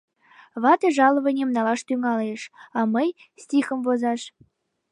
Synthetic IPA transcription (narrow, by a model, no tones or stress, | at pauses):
βɑt̪ɤ̆ʒɑlˠɤ̆βɤ̆nʲemnɑlɑʃt̪yŋɑleʃɑməj | st̪ʲixə̆mvozɑʃ